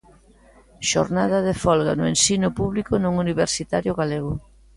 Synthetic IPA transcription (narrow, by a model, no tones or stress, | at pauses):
ʃo̰ɾnaðɐðefɔlɣanʊensinʊpuβlikʊnoŋuniβeɾsit̪aɾjʊɣaleɣʊ